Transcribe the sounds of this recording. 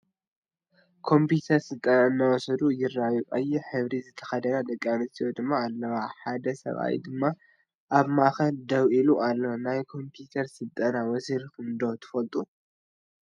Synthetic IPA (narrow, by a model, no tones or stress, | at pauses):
kʰo̞mput̪ʰɐɾsɨlt̪ʼɐnaɨnːawɔsɐd̪ujɪrːaβuʔʼɐjiħɨβɾizɨt̪ʰɐ̥xɐd̪ɐnad̪ɐkʼːanɨst̪ʰijod̪ɨmːaːlːɐwaħad̪ɐsɐ̰βʔa̰jd̪ɨmːa | ʔaβmaxɐld̪ɐwʔiluʔalːonajkʰo̞mpʰjut̪ʰɐɾsɨlt̪ʼɐnawɔsiɾkɨnd̪ot̪ʰɨ̥fɐlt̪ʼu